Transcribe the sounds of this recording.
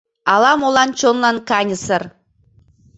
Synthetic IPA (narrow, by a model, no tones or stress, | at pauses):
ɑlˠɑmolˠɑnt͡ɕonlˠɑnkɑnʲɤ̆sɤ̆r